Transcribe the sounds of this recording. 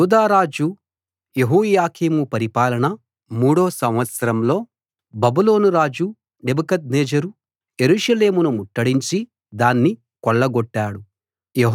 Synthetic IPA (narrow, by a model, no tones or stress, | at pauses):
uːd̪aːɾaːd͡ʒu | jeɦuːjaːkʰiːmupɐɾipaːlɐnɐ | muːɽo̞ːsɐmʋɐt̪sɐɾɐmlo̞ː | bɐbulo̞ːnuɾaːd͡ʒu | nebɐkɐt̪̚neːd͡ʒɐɾu | je̞ɾuːʃɐle̞ːmunumuʈːɐɽiɲt͡ʃi | d̪aːnːi | kɔɭːɐɡɔʈːaːɽu | jeɦ